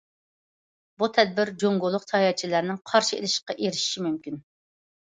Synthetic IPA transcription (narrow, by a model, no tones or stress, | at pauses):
but̪ʰɛd̪̚bɪɾd͡ʒoŋɡolˠːʊqt̪ʰɑjɑt͡ʃʰilæɾnɪŋqʰɑɾʃiḛlɪʃqɑʔeɾɪʃi̥ʃimymkʲin